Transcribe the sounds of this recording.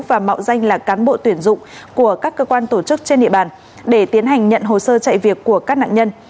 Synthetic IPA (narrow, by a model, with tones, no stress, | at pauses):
vaː˨˩ma̰˧˨wza˧jŋ̟laː˨˩kaː˨˦nɓo̰˧˨t̪wi˧˩ənzʊ̰˧˨ŋ͡mku˧˩əkaː˦˥kːəː˧kwaː˧nt̪o˧˩t͡ɕɨ˦˥k̚t͡ɕe˧nɗḭ˧əɓaː˧˨˩n | ɗe˧˩t̪i˨˦ənɦa˨˩jŋ̟ɲə̰˧˨nɦo˨˩səː˧t͡ɕa̰˧˨jvi˨˩ək̚ːu˧˩əkaː˦˥k̚na̰ː˧˨ɲə˧n